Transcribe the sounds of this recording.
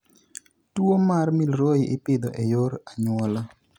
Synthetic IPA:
twomarmilɾoɪʔɪpɪd̪ɔʔejoɾaɲwɔlɔ

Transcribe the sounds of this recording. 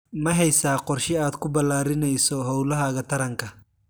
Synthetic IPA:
mɐɦɛjsaːqɔrʃɪaːd̪kʰʊbɐlaːɾɪnɛjsɔɦɔwlɐɦɐɣɐt̪ʰɐɾɐŋkʰɐ

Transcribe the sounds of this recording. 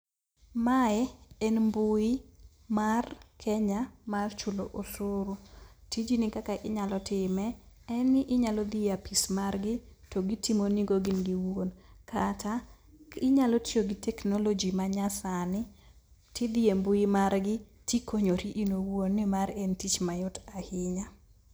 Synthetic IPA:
maɛɛnmbʊi | markʰɛɲamart͡ʃʊlo̰ʔosʊɾutid͡ʒinɪkakaʔɪɲalɔtʰɪmɛɛnɪʔɪɲalɔd̪ɪapismarɡɪtɔɡitimoniɡoɡɪnɡiwonkʰatʰa | ɪɲalɔtioɡɪtɛknolod͡ʒimaɲasanɪ | tɪd̪ɪembʊimarɡɪtikʰoɲoɾiʔinowwonːɪmaɾɛntit͡ʃmajʊtahɪɲa

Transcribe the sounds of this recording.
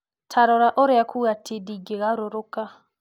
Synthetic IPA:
tʰaɾɔɾaʔoɾeakʰuɣatʰidiɡeɣaɾoɾoka

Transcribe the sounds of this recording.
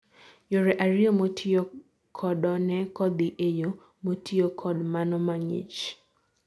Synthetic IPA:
joɾɛʔaɾiomotʰijo | kʰɔdɔnɛkɔd̪ɪʔejo | motʰiokʰɔdmanɔmaŋḭt͡ʃ

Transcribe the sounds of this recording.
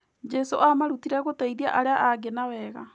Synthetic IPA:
d͡ʒɛsoʔamaɾutiɾaɣotaiðiaʔaɾeaʔaɡenawɛɣa

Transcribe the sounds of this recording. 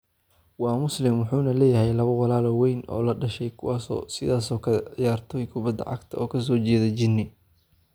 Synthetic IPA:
wɑːmʊslɪmwʊħuːnɐlɛːjɐɦɛjlɐβɐwɑlaːlɔːwɛjnɔ̰ːlɐɖɐʃɛjkʰʊwɑːsɔ̰ːsɪðaːsɔːkʰɐjaːrt̪ʰɔjkʰʊbɐd̪ɐ̰ʕɑ̰ɡt̪ʰɐɔːkʰɐs̬ɔːt͡ʃɛːðɐt͡ʃɪnɪ

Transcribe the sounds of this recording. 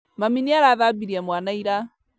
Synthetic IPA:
maminiaɾaðabiɾiɛmwanaiɾa

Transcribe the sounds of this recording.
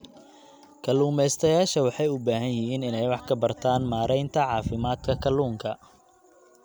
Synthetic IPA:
kʰɐluːmɛjst̪ʰɐjaːʃɐwɑħɑjʊbaːɦɐnjɪɦiːnɪnɛjwɑħkʰɐbɐrt̪ʰaːnmaːɾɛjnt̪ʰɐʕɑːfɪmaːd̪kʰɐkʰɐluːŋkʰɐ

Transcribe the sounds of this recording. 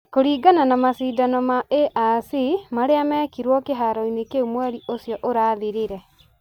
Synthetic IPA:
koɾiːɡananamasiːdanɔmaeʔasimaɾeamɛːkiɾwɔkeɦaɾɔinekeumwɛɾiʔosjɔʔoɾaːðiɾeɾɛ

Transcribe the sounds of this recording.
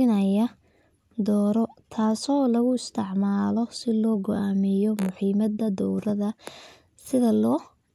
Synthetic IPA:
ɪnɐjɐ | d̪ɔːɾɔt̪ʰaːsɔːlɐɣʊɪst̪ʰɪʕmaːlɔsɪlɔːɡɔʔaːmɪjɔmʊħiːmɐd̪ɐd̪ɔwɾɐðɐ | sɪðɐlɔː

